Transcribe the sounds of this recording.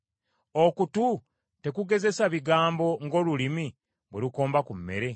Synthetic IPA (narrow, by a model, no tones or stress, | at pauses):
okutu | te̞kuɡe̞ze̞saβiɡaːmbo̞ŋɡo̞ːlulimi | βweluko̞ːmbakumːe̞̰ɾe̞